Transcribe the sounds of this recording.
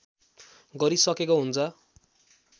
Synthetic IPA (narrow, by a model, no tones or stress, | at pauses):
ɡʌɾisʌkekoɦunt͡sʰʌ